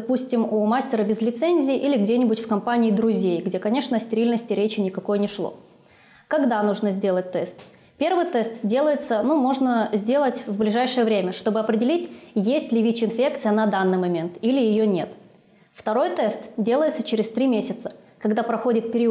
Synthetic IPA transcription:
d̪ɐpusʲtʲɪmumasʲtʲɪɾəbʲɪzlʲɪt̪sɛnʲzʲɪːʔilʲɪɡdʲenʲɪbʊtʲfkɐmpanʲɪːd̪ɾʊzʲejɡdʲe̞kɐnʲe̞ʂnəsʲtʲɪɾʲilʲnəsʲtʲɪɾʲet͡ɕɪnʲɪkɐko̞jənʲɪʂlˠo̰ | kɐɡd̪anuʐnəzʲdʲe̞lˠət̚ʲt̪ɛst̪ | pʲe̞rvɨjt̪ɛst̪dʲe̞lˠəjɪt̪sənumo̞ʐnəzʲdʲe̞lˠətʲvblʲɪʐajʂɨjəvɾʲemʲəʂt̪o̞bɨɐpɾʲɪdʲɪlʲitʲjesʲtʲlʲɪvʲit͡ɕɪnfʲe̞kt̪sɨjənɐd̪anːɨjmɐmʲe̞nt̪ilʲɪjɪjonʲe̞t̪ | ft̪ɐɾo̞jt̪ɛst̪dʲe̞lˠəjɪt̪sət͡ɕɪɾʲɪst̪ɾʲimʲesʲɪt̪sə̥ | kɐɡd̪apɾɐxo̞dʲɪt̪̚pʲɪɾʲi

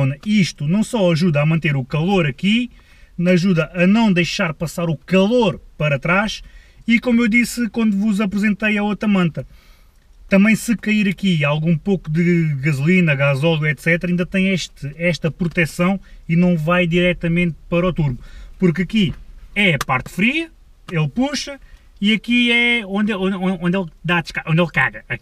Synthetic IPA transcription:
nɐiʃt̪unɐ̃w̃sɔɐʒuðɐaːmɐ̃nt̪eɾukɐlˠoɾɐki | ɐʒuðɐʔɐnɐ̃w̃d̪ɐjʃaɾpɐsaɾukɐlˠoɾpɐɾɐt̪ɾaʃ | ikomuewd̪isɨkwɐ̃nd̪uvuzɐpɾɨzẽnt̪ɐjɐot̪ɾɐmɐ̃nt̪ɐ | t̪ɐ̃mbɐ̃j̃sɨkɐiɾɐkialˠɣũpokud̪ɨɣɐzulˠinɐɣazɔlˠɣuɛt̪sɛt̪ɾaĩnd̪ɐt̪ɐ̃j̃ɛʃt̪ɨɛʃt̪ɐpɾut̪ɛsɐ̃w̃inɐ̃w̃vajd̪iɾɛt̪ɐmẽnt̪̚pɐɾɔt̪uɾmupuɾkɐkiɛpaɾt̪fɾiɐ | elˠpuʃɐ | iɐkiɛõnd̪õnõõnd̪elˠd̪ad̪ʃkaʔõnd̪elˠka̰ɣɐɐ

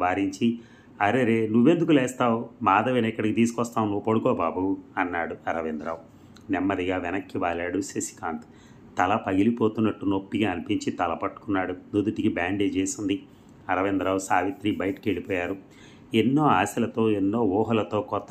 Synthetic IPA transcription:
ʋaːɾiɲt͡ʃi | ɐɾeɾeːnuʋːe̞nd̪ukulɛːst̪aːwmaːd̪ɐʋenɐikːɐɽikit̪iːsu̥kɔst̪aːwnːuʋupoɽukɔːbaːbuɐnːaːɽuɐɾɐʋend̪ɾaːʋu | nɛmːɐd̪iɡaːʋɛnɐkːiʋaːlaːɽusesi̥kaːnt̪ | t̪ɐlɐpɐɡilipoːt̪unːɐʈːunopːiɡaːɐnipiɲt͡ʃit̪ɐlɐpɐʈːu̥kunːaːɽunud̪uʈikibaːɳɖed͡ʒeːsind̪i | ɐɾɐʋend̪ɾaːwusaːʋit̪ɾibɐjʈɐ̥kieɭipɔːjaːɾu | enːo̞ːaːsɐlɐt̪o̞ːenːo̞ːʋɔːɦɐlɐt̪o̞ːkɔt̪ːɐ

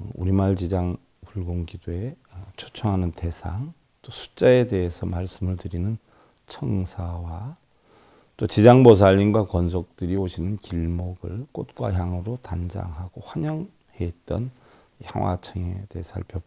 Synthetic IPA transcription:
uɾimaɭt͡ɕid͡ʑaŋ | puɭɡoŋɡidoe̞t͡ɕʰot͡ɕʰʌŋɦanɯntesʰaŋ | t͈osʰu̥t͡ɕ͈ae̞de̞ɦesʰʌmaɭs͈ɯmɯɭtɯɾinɯn | t͡ɕʰʌŋsʰawa | t͈ot͡ɕid͡ʑaŋbos̬ʰaʎːinɡwakʌns̬ʰʌk̚t͈ɯɾioɕʰinɯnkiɭmʌɡɯɭk͈ot̚k͈wa̰çjaŋɯɾotand͡ʑa̰ŋɦaɡoɸwaɲʌŋ | het̚t͈ʌn | çja̰ŋwa̰t͡ɕʰʌŋe̞̰te̞ɦesʰaɭpʰjʌp̚

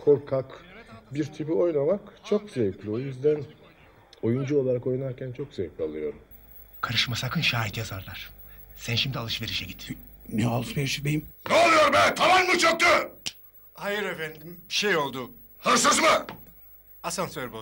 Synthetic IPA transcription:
kʰo̞ɾkʰakbiɾt̪ʰipio̞jnamakt͡ʃʰokzevklʲio̞jyzd̪æn | o̞jund͡ʒuo̞lˠaɾako̞jnaɾcʰænt͡ʃʰo̞kzevplʲialˠɯjo̞ɾum | kʰaɾɯʃmasakʰɯnʃaːit̪ʰjazaɾlˠaɾ̥ | sænʃimd̪ialˠɯʃve̞ɾiʃɛɟit̪ | neolˠuspeɾsybej̪imnɛolˠɯjoɾbænt̪ʰamanːut͡ʃʰok̚t̪ʊ | hajɯɾefænd̪imʃejo̞lˠd̪ʊ | hɯɾsɯzmɯ | asansøɾbo

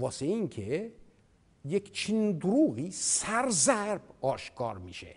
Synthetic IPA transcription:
ɒːseeinkʰe | jekt͡ʃʰind̪uɾuːɣiːsæɾzæɾb̥ɒːʃkʰɒ̰ːɾmiːʃḛ

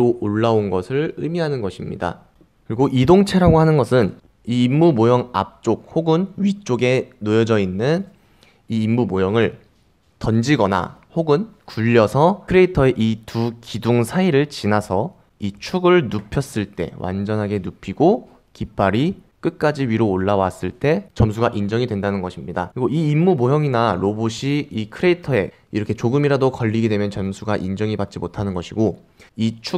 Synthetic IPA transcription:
ɾoʔoɭːaonɡʌsʰɯɭɯmiɦanɯnɡʌɕʰimɲḭda̰ | kɯɾiɡoʔidoŋt͡ɕʰe̞ɾaɡoɦanɯnɡʌsʰɯn | iːmːumojʌŋa̰p̚t͡ɕ͈ok̚hoɡɯnɥit͡ɕ͈oɡe̞nojʌd͡ʑʌinːɯn | iːmːumojʌŋɯɭ | tʌnd͡ʑiɡʌna̰hoɡɯnkuʎːʌsʰʌkʰɯɾeitʰʌe̞ʔitukiduŋsʰaiɾɯɭt͡ɕinasʰʌ | it͡ɕʰuɡɯɭnupʰjʌs͈ɯɭt͈e̞̰wʔa̰nd͡ʑʌnɦaɡe̞nupʰiɡo | kip͈ʰaɾik͈ɯt̚k͈ad͡ʑiɥiɾoːɭːawas͈ɯɭt͈e̞t͡ɕʌms̬ʰuɡaʔind͡ʑʌŋidwendanɯnɡʌɕʰimɲidakɯɾiɡoiːmːumoɦjʌŋinaɾoboɕʰiikʰɯɾe̞itʰʌe̞̰ | iɾʌkʰe̞t͡ɕoɡɯmiɾadokʌʎːiɡe̞dwe̞mjʌnt͡ɕʌmsʰuɡaʔind͡ʑʌŋibpat̚t͡ɕ͈imotʰanɯnɡʌɕʰiɡo | it͡ɕʰu

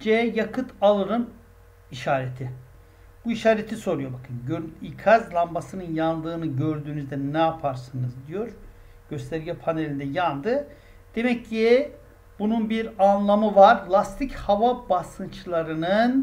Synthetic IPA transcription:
d͡ʒɛjakʰɯt̪ʰalˠɯɾɯm | iʃaːɾet̪ʰɪ | b̥uiʃaːɾet̪ʰiso̞ɾujo̞bakʰɯnɟøikʰazlˠambasɯnɯnjand̪ɯːnɯɟø̞ɾd̪yːnyzd̪ɛnɛapʰaɾsɯnɯzd̪ijo̞ɾ | ɟ̥ø̞st̪ʰɛɾɟɛpʰanelʲind̪ɛjand̪ɯ | d̪̥e̞mɛcːi | b̥ununbiɾanlˠamɯvaɾlˠast̪ʰichavabasɯnt͡ʃlˠaɾɯnɯn

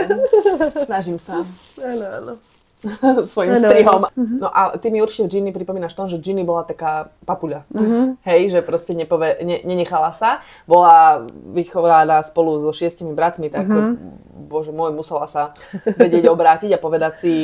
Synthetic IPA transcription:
snaʒimsa | sʋɔjimsɾiɦɔmnɔʔat̪imiuɾt͡ʃi̥cɛvd͡ʒinipɾipɔmiːnaʃft̪ɔmuʒɛvd͡ʒinibɔlat̪akaːpapuʎaɦɛjʒɛpɾɔscɛɲɛpɔʋɛɲɛɲɛɲɛxalasa | bɔlaʋixɔʋanaspɔluzɔʃɪɛscimibɾat̪mit̪ak | bɔʒɛmɔjmusɛlasa | ʋɛɟɪɛɟɔbɾaːciɟapɔʋɛd̪acsi

